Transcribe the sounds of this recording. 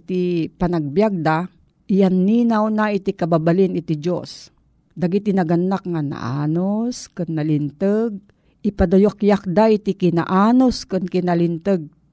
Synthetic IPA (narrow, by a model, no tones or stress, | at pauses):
t̪ipanaɡ̚bjaɡ̚d̪a | ʔɪjanːinawnait̪ikababalɪnɪt̪id͡ʒos | d̪aɡit̪inaɡanːakŋana̰ʔa̰noskɨnːalɪnt̪əɡ̚ | ʔɪpad̪ajokjak̚d̪ait̪ikina̰ʔanoskɨnkɪnalɪnt̪əɡ̚